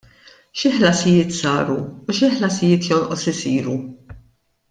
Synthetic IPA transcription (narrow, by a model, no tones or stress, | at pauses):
ʃɪħlɐsɪjɪːt̪sɐ̰ːɾuːʃɪħlɐsɪjɪːt̪jɔnʔɔsɪsiːɾu